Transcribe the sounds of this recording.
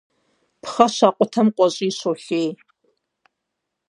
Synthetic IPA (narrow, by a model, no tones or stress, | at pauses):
pχɐʃaːqʷʼʊtʰɐmqʷʼɔɕʼiːɕoːɬeːj